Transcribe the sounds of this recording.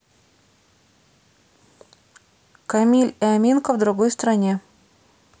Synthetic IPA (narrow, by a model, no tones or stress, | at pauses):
kɐmʲilʲɪamʲinkəvd̪ɾʊɡojst̪ɾɐnʲe